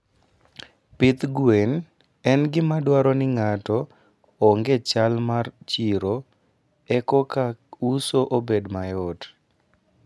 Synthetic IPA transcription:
pɪt̪ɡwen | ɛnɡɪmadwaɾɔnɪŋatɔ | ɔŋɡet͡ʃalmart͡ʃiɾo | ɛkɔkausoʔobedmajɔt

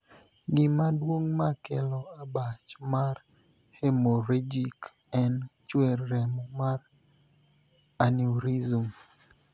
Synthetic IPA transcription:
ɡɪmadwoŋmakɛlɔabat͡ʃmar | hemoɾed͡ʒik | ɛnt͡ʃwerːɛmɔmar | aniuɾizum

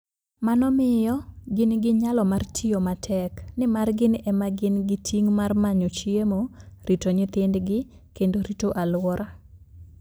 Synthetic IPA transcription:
manɔmɪjɔɡɪnɡɪɲalɔmartʰɪjomatʰɛknɪmarɡɪnɛmaɡɪnɡɪtʰiŋmarmaɲot͡ʃiemoɾitoɲɪt̪ɪndɡɪ | kendoɾitoʔalwɔɾʔa

